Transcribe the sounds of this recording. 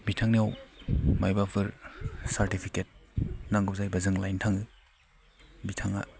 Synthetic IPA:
bitʰaŋnijawmajbapʰɯɾsaɾtipʰiket̚naŋɡɔp̚zajbɐzɯŋlajntʰaŋɯ | bitʰaŋa̰

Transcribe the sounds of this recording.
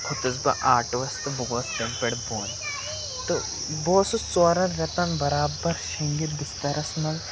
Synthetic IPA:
kʰʊt̪ɐsbɐ̰ʔaːʈʋɐst̪ɨbuɡʋɐst̪ɐmpeɽboːn | t̪o | boːsut͡soːɾɐnɾɐt̪ɐnbɐɾaːbɐɾʃɐŋɡit̪bɪst̪ɐɾʔɐsnɐl

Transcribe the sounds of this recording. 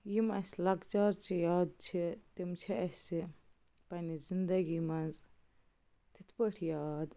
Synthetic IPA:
jimɐslɐɡt͡ʃaːɾt͡ʃʰijaːd̪̚t͡ʃʰit̪imt͡ʃʰiɐsʲi | pɐnizind̪ɐɡimɐnz | t̪it̪ʰpəʈʰjaːd̪

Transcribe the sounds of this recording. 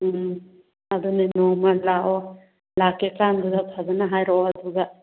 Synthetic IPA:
ad̪ɔnɛnɔmalaʔɔ | lakɛkand̪uɡ̪apʰazanaɦajɾɔad̪uɡaʔ

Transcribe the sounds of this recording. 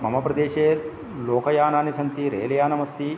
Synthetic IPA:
mɐmɐpɾɐd̪eːʃeː | loːkɐjaːnaːnisɐnt̪iɾḛːlɐjaːnɐmɐst̪i

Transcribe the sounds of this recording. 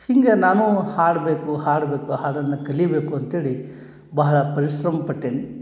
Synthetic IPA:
hiŋɡe̞naːnuhaːɽbeːkuhaːɽbe̞ːkuɦaːɽɐnːɐkɐlijɐbeːkuɐnt̪eːɭi | bɐɦɐɭɐpɐɾiʃɾɐmɐpɐʈːeːni

